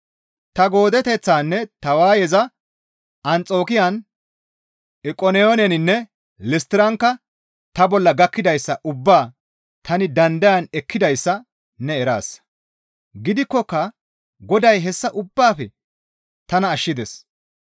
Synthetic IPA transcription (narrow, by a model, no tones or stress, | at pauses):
t̪ɐɡo̞ːd̪ɛt̪ɛt͡sːaːnːɛt̪ɐwaːjɛzɐ | ɐnt͡sʼo̞ːkɪjɐn | ɪkʼɔnɛonɛnɪnːɛ | lɪst̪ɪɾɐŋkːɐ | t̪ɐbɔlːɐɡɐkːɪd̪ɐjsːɐʔʊbːaː | t̪ɐnɪd̪ɐnd̪ɐjɐnɛkːɪd̪ɐjsːɐ | nɛːɾa̰ːs | ɡɪd̪ɪkːɔkːɐ | ɡɔd̪ɐjɦɛsːɐʔʊbːaːfɛ | t̪ɐnɐːʃːɪd̪ɛs